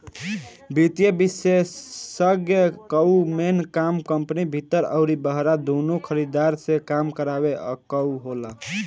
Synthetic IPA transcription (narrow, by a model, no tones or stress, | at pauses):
bit̪jəbisesːəɡjəkəumenkamkəmpnibʱit̪ːəɾə̰ʊɾibəɦɾad̪onukʰəɾid̪aɾsẽkamkəɾabḛkəuɦola